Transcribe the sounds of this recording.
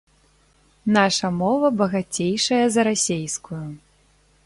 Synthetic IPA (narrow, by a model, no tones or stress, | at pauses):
n̪aʂɐmɔvɐbɐɣat͡sʲejʂɐjɐzɐɾasʲejskuju